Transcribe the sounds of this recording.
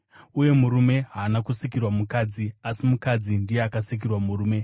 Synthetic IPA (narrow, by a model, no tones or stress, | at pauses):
uje̞muɾume̞ɦaːnakusikirwamukaːd͡ziasimukad͡zindijeakasik̬irwamuruːme̞